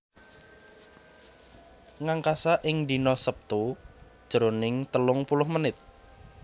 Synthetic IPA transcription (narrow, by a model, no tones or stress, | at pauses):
ŋaŋkasaʔɪŋd̪i̤nɔsəp̚t̪ud̥ʒ̥əɾonɪŋt̪əlʊŋpulʊhmənɪt̪̚